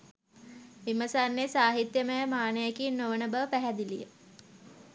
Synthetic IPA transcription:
ʋiməsanːesaːɦit̪jəməjəmaːnəjəkinːoʋənəbəʋəpæɦæd̪ilḭjə̰

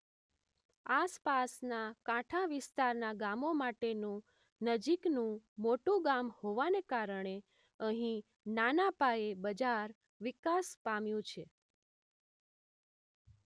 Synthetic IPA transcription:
aspasnakãʈʰaʋɪst̪aɾnaɡamomaʈenũ | nəd͡ʒiknũmoʈũɡamhoʋanekaɾəɳ̃e | əɦĩ | nanapaebəd͡ʒaɾ | ʋikaspamjũt͡ʃʰe

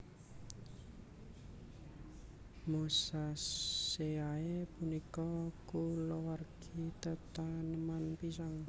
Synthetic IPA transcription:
musa | eaepunikɔkulowarɡ̥it̪ət̪anəmanpisaŋ

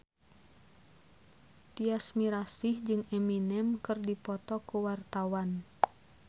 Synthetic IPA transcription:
t̪iasmiɾasihd͡ʒɨŋɛminɛmkɨrdipɔt̪ɔkuwart̪awan

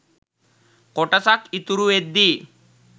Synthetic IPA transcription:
kɔʈasakit̪uɾued̪ːi

